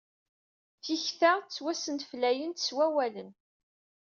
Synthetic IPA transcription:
θiçθaʁt͡sːwæsənt̪flæjənt̪ə̥swæwælən

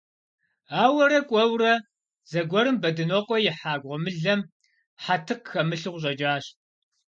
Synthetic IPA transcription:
aːwɐɾɐkʷʼɔwrɐ | z̥ɐɡʷɔɾɨmbɐdɨnɔqʷʼɔjɪħaːɡʷʁɔmɨɮɐm | ħatʰɨqxɐmɨɬɨʁʷɕ̬ʼɐd͡ʒʼaːɕ

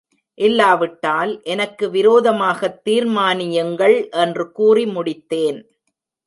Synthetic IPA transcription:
ʔɪlːaːʋɪʈːaːlʔɛnɐkːɯʋɪɾoːðɐmaːɣɐt̪ːiːɾmaːnɪjɐŋɡɐɭʔɛndrɯkuːrimʊɽɪt̪ːeːn

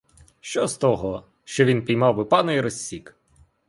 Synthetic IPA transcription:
ʃt͡ʃɔzt̪ɔɦɔ | ʃt͡ʃɔʋʲinpʲijmɑwbɪpɑnɔjiɾɔsʲːik

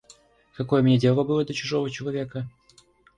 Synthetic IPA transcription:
kɐko̞jəmnʲedʲelˠəbɨlˠəd̪lʲɐt͡ɕʊʐovət͡ɕɪlˠɐvʲekə

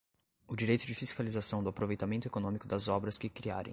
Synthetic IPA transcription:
ʊd͡ʒiɾejt̪ʊd͡ʒɪfiskalizasɐ̃w̃d̪ʊapɾovejt̪amẽnt̪ʊekonõmikʊd̪ɐzɔbɾɐskɪkɾia̰ɾḛ̃

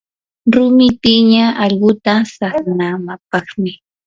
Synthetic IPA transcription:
ɾʊmɪtɪɲaɑʎɢʊt̪asaχnaːmap̚ɑχmɪ

